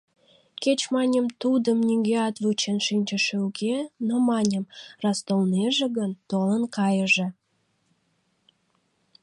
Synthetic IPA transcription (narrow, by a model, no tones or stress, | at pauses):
ket͡ɕmɑnʲəmt̪ud̪əmnʲiŋɡeɑt̪vut͡ɕenʃinʲt͡ɕəʃeukenomɑnʲəmrɑst̪olneʒeɣənt̪olənkɑjəʒĕ